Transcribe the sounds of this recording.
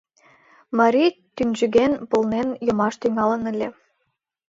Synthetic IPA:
mɑɾʲit̪ynʲʒɘɣenpɤ̆lnenjɤ̆mɑʃt̪yŋɑlə̆nə̆lʲe

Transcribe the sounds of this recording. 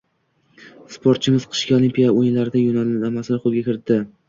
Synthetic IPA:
spʰoɾt̪̚t͡ʃʰɪmɪz̥qʰɨ̥ʃkʲaolimpʰʲijaojɪnlaɾɪd̪ajonalamasɪlɪχolˠɡʲakʲɪɾɪt̪ʰːɪ

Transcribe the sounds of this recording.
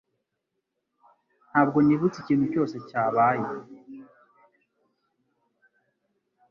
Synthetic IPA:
n̥haːbɡo̞niβut͡siciːn̥huco̞ːse̞caːβaːje

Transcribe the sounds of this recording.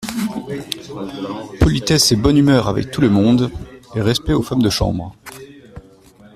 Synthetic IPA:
pɔlit̪ɛsebɔnymœʁavɛ̰k̚t̪uləmɔ̃d̪eʁɛspɛofamd̪əʃɑ̰̃bʁ

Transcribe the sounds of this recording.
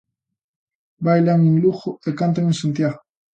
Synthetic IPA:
bajlaŋeŋluxoekant̪aŋẽnsant̪jaɣo

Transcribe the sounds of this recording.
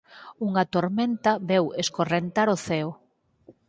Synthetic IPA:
uŋɐt̪oɾment̪ɐβɛweskorent̪aɾoθɛo

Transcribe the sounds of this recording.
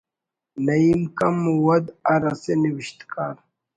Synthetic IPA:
nɐimkɐmwɐd̪ɐɾɐseniwiɕt̪kaːɾ

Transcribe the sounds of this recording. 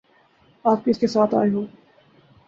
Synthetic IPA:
aːp̚kiɪskesaːt̪a̰ːeɦoː

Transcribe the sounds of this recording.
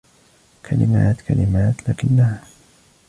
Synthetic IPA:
kʰalɪ̰maːt̪kʰalɪmaːt̪laːkɪnːaha

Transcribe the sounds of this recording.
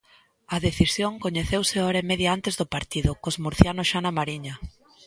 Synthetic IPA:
ɐðeθisjoŋkoɲeθewseɔɾɐemeðjaant̪ezðʊpaɾt̪iðʊkozmuɾθjanoʃanamaɾiɲɐ

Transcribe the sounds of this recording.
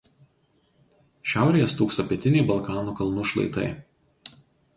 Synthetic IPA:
ʃʲæˑʊɾʲɛjɛst̪uːksoːpʲiɛt̪ʲɪnʲɛɪbɐlˠˑkɑːnuːkɐlˠnʊʃlˠɐ̰ɪt̪ɐ̰ɪ

